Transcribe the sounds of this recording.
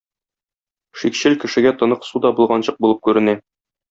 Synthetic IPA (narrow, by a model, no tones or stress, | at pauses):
ʃikɕɘlkɘ̆ʃɘ̆ɡæt̪ŏnɤqsud̪ɒbulˠʁɑnɕɤq̚bulˠɤp̚kʉɾɘ̆næ